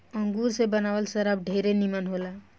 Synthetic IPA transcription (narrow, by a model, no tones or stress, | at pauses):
əŋɡuɾsebənaʋəlsəɾəb̚ɖʱeɾenimənɦola